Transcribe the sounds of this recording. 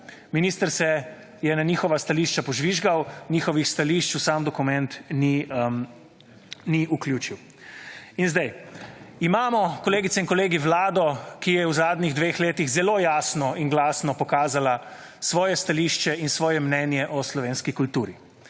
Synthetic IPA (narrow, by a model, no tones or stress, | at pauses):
miniːst̪əɾsɛ | jɛnaniːxɔʋast̪aliːʃt͡ʃapɔʒʋiʒɡawnʲixɔʋixst̪aliʃt͡ʃusaːmd̪ɔkumɛnt̪ni | niuklʲjuːt͡ʃiw | inzd̪ɛj | imaːmɔkɔleːɡit̪sɛinkɔleːɡiʋlaːd̪ɔkijɛwzaːd̪nʲiɣd̪ʋeːxleːt̪iɣzɛloːjaːsnɔiŋɡlaːsnɔpɔkaːzala | sʋɔːjɛst̪aliːʃt͡ʃɛinsʋɔːjɛmnɛnjɛʔɔslɔʋeːnskikult̪uːɾi